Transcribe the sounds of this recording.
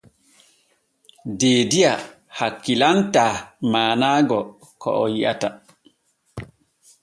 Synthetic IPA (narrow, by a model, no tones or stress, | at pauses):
deːdia | hakːilantamaːnaːɡɔ | kɔ̰ʔɔjia̰ta